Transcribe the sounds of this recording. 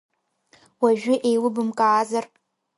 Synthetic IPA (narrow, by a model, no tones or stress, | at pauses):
waʒᶣʊʔejlɨbɨmkʼaːzar